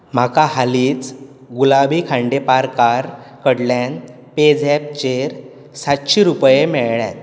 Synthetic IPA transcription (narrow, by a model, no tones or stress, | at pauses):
m̤akahaliːt͡s | ɡulabikʰãɳɖepaɾkaɾ | kəɽljãn | ped͡zɛp̚t͡ɕeɾ | sat̪ɕiɾupjemɛɭɭja̰t̪